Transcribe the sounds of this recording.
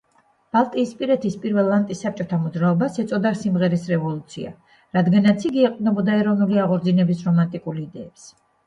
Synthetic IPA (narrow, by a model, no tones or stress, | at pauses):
b̥alˠt̪ʼiːspʼiɾɛt̪ʰispʼiɾvɛlˠːant̪ʼisːap̚t͡ʃʼɔt̪ʰamɔd̪zɾaɔbasɛt̪sʼɔd̪asimʁɛɾisɾɛvɔlˠut̪sʰia̰ | ɾad̪ɡanat̪sʰiɡiɛq̪ʼnɛbɔd̪aɛɾɔnuliaʁɔɾd̪zinɛbisɾɔmant̪ʼikʼuliid̪ɛːps